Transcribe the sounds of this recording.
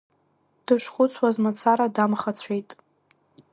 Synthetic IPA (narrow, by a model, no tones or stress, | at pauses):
d̥ɨʂχʷʊt͡sʷʰwazmat͡sʰaɾadamχat͡sʷʰe̞jtʼ